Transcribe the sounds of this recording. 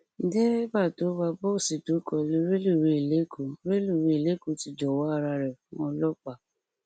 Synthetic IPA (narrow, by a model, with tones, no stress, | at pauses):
dɛ˦ɾi˦ba˦˨to˨˦ba˧bɔ˦˨si˨to˨˦kɔ˨le˧˦ɾe˦lu˦˨ɾe˧i˨le˨˦kʰo˨˦ɾe˦lu˦˨ɾe˧i˨le˨˦ko˧˨ti˧d͡ʒɔ˨wɔ˨˦a˧ɾa˧ɾɛ˨fũ˦ɔ˧lɔ˦k͡pa˦˨